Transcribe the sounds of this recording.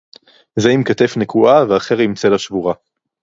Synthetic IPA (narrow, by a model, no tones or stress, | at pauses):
zeimkate̞fnekʰuʔaveaχeʁimt͡se̞laʃvuʁa